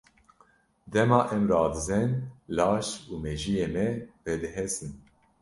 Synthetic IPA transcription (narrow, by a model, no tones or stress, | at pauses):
d̪ɛmɑːʔɛmrɑːd̪ɨzɛnlɑːʃuːmɛʒijeːmɛvɛd̪ɨɦɛsɨn